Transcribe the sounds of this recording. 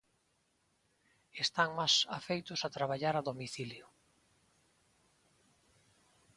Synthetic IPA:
est̪aŋmasafejt̪ʊsat̪ɾaβaʎaɾaðomiθiljʊ

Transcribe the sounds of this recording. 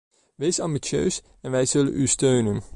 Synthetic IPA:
ʋejsɑmbisjø̰ːs | ɛnʋɛjzɵlə̰nystøɥnən

